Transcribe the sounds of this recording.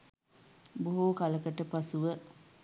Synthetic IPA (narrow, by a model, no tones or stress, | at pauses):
boɦuːkaləkəʈəpasuʋə